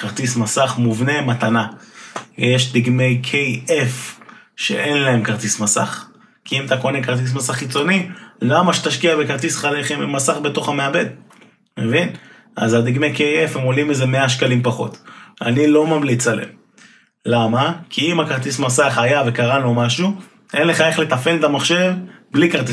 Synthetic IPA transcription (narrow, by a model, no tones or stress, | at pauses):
kaʁt̪ismasaχmuvne̞matana | jeʃdiɡme̞jkʰejef | ʃḛʔe̞nlae̞mkaʁt̪ismasa̰χ | kiimat̪ako̞nekaʁt̪̬is̬masaχːit͡so̞nilamaʃe̥t̪aʃkiabe̞kaʁt̪isχaleχemmasaχbe̞to̞χameabe̞d̪ | mevin | a̰zad̪iɡme̞jkejefhemolimezeme̞aʃkalimpaχo̞̰t̪a̰nilo̞mamlit͡salḛm | lamakʰiimhakaʁt̪ismasaχajave̞kaʁanlomaʃu | ʔe̞nle̞χae̞χle̞t̪afe̞letamaχʃe̞vblikaʁt̪i